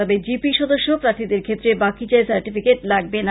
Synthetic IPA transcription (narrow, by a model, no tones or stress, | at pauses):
ɔbed͡ʑipiʃɔd̪oʃːopɾat̪ʰid̪eɾkʰet̪ːɾebakid͡ʑaesaɾʈifikeʈlaɡ̚ben